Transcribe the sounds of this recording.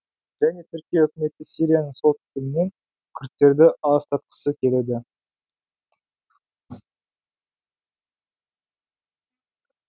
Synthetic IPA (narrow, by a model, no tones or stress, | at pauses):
ʒ̥æne̞t̪ʰʏɾkʲijeɵkʲɪme̞t̪ːɪsijɾijanəŋsot̪k̪ʲɪlɪne̞ŋ | kʲʰʏɾt̪ːe̞ɾd̪ɪɑzt̪ʰɑt̪qə̥səkʲʰe̞le̞d̪ɪ